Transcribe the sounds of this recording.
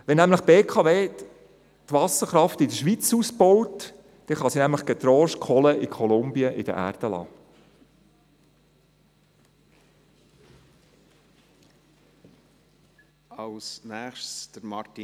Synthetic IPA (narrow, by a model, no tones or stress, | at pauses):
ʋɛnːæmləχb̥eːkʰɑveː | t̪ʋɑsəχɾɑft̪ɪdəʃʋit͡suspɔwt | d̥ɛχɑsinæmləχɡ̥ɛt̪ɾɔːʃkʰχɔləʔɪkʰɔlʊmbiəʔɪd̥ə̰ʔæ̰ːɾd̥əlɑ̰ː | ɑlsnæːχʃsd̥əɾmɑɾti